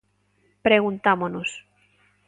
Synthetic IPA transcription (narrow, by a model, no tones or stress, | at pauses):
pɾeɣunt̪amonos